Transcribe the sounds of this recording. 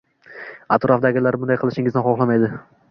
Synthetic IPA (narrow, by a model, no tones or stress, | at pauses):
at̪ɾɒfd̪aɡʲɪlaɾbʊnd̪ajqʰɨlˠɪʃɪŋɪzd̪anχɒχlˠamajd̪ɪ